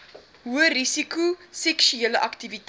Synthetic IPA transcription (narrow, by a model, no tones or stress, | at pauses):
ɦuərisikusɛkʃyeːələʔɐktivit